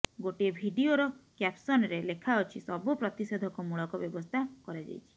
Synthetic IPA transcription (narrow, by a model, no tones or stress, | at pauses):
ɡoʈiebʱiɖioɾɔkapsɔnɔɾelekʰaɔt͡ʃʰisɔbupɾɔt̪ised̪ʱɔkɔmuɭɔkɔbjɔbɔst̪ʰakɔɾed͡ʒa̰jt͡ʃʰi̥